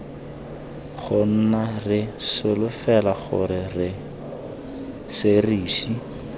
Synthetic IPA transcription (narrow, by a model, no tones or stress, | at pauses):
χʊn̩narɪsɪlʊfɛlaχʊ̰ɾɪrɪ | sɪriːsi